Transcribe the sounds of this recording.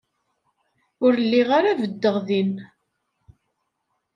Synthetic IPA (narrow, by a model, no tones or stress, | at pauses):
ʊɾəlːiʁaɾavəd̪ːəʁðin